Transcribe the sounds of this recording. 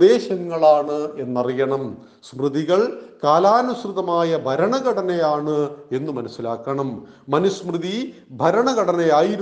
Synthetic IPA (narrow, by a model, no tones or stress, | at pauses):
d̪e̞ːɕɐŋːɐɭaːɳɨe̞nːɐrijɐɳɐm | smrɨðiɣɐɭkaːlaːnusrɨðɐmaːjɐbʱɐɾɐɳɐɣɐɽɐnɐjaːɳɨe̞nːɨmɐnɐsːilaːkːɐɳɐmː | ɐnusmrɨði | bʱɐɾɐɳɐɣɐɽɐnɐjaːjiɾu